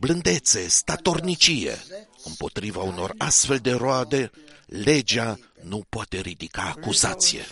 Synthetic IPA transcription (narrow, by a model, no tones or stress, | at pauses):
blɨnd̪e̞t̪se̞st̪at̪o̞rnit͡ʃije̞̰ɨmpo̞t̪ɾivauno̞rast̪fe̞ld̪e̞ɾoad̪e̞le̞d͡ʒa | nupoat̪e̞ɾid̪ikaːkuzat̪sije̞̰